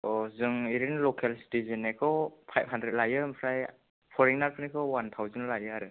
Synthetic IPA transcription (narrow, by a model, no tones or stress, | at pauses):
ɔzɯŋiɾinlɔkʰelsi̥tizinakʰɔpʰajb̚hɦandɾet̚lajɯmpʰɾaj | pʰɔɾiŋnaɾpʰɯnikʰɔwant̪ʰawzɛnlajɯaɾɯ